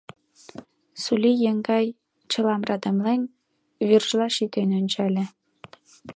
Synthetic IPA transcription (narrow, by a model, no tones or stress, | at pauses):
sulʲijəŋɡɑj | t͡ɕɤ̆lɑmrɑd̪ə̆mlen | βyrʒlɑʃit̪enønʲt͡ɕælʲĕ